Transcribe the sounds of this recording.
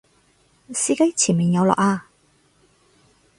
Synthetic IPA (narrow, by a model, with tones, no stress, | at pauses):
siː˧˥kɐ˥jt͡sʰiː˨˩nmiː˨njɐ˨˧wlɔ̰˨k̚aː˧